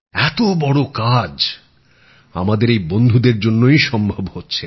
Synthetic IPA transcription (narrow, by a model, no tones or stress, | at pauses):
ɛt̪obɔɽokad͡ʑ | a̰mad̪eɾejbond̪ʱud̪eɾd͡ʑonːojʃɔmbʱabhotːɕʰe